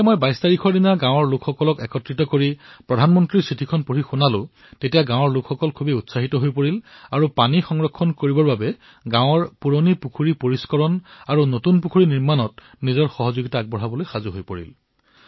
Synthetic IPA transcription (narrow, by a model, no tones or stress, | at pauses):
mojbajstaɹikʰɔdinaɡãw̃ɔɹlʊkʰxɔkɔlɔkɛkɔtɹitɔkoɹipɹɔdʱanmɔntɹisitʰikʰɔnpoɹixunalʊ̃ | tetijaɡãw̃ɔɹlʊkxɔkɔlkʰubiutsaɦitɔɦojpoɹilaɹupanixɔŋɹɔkʰːɔnkoɹibɔɹbabɛ | ɡãwɔɹpuɹonipukʰuɹipoɹiskɔɹɔnaɹunotunpukʰuɹiniɹmanɔt̚ | nizɔɹxɔɦɔzoɡitaːɡ̚bɔɹɦabɔlojxazuɦojpoɹḭl